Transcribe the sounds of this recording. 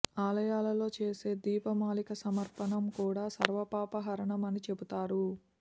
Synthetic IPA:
aːlɐjaːlɐlo̞ːt͡ʃe̞ːse̞ːd̪iːpɐmaːlikɐsɐmɐɾpɐɳɐmkuːɽaːsɐɾʋɐpaːpɐɦɐɾɐɳɐmɐnit͡ʃe̞but̪aːɾu

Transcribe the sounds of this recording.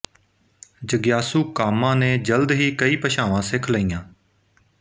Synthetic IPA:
d͡ʒəɡjaːsuːkaːmãːnẽːd͡ʒəld̪ɦiːkəiːpəʃaːʋãːsɪkʰləiːjãː

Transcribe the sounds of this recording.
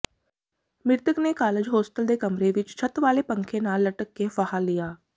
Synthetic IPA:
mɪɾt̪əknekaːləd͡ʒɦoːsʈəld̪eːkəmɾeʋɪt͡ʃt͡ʃʰət̪ʋaːlepə̃ŋkʰẽnaːlːəʈəkːefaɦalːijaː

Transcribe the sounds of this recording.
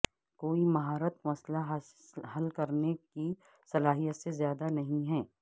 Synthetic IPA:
koːimɐɦaːɾət̪mɐslaɦɦɐlkɐɾneki | sɐlaːɦijət̪sezjaːd̪anɐɦĩɦɛː

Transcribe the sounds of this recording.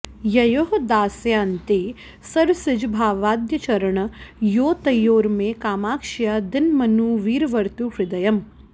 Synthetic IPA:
jɐjoɦd̪aːsjaːnt̪eː | sɐɾsɪd͡ʒbʱaːʋaːd̪jɐt͡ʃɐɾəɳ̃joːt̪ɐjoːɾmẽkaːmaːkʃjad̪ɪnmɐnuːʋiːɾʋɐɾt̪upɾɪd̪ɐjɐm

